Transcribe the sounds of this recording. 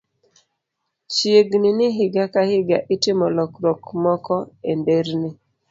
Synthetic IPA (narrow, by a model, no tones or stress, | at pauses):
t͡ʃjeɡnɪnɪɦɪɡakahɪɡaʔɪtɪmɔlɔkɾɔkmɔkɔendeɾnɪ